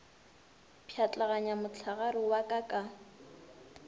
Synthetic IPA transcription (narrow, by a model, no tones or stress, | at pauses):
pʰjat͡ɬʼaɣaɲamʊt͡ɬʰaɣaɾɪwakʼakʼa